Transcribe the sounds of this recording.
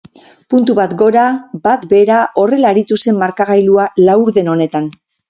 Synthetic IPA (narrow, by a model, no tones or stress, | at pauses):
punt̪uβat̪ɡo̞ɾabat̪be̞ɾaʔo̞re̞laːɾit̪use̞mmaɾkaɣ̞ajlualawuɾðe̞no̞ne̞t̪an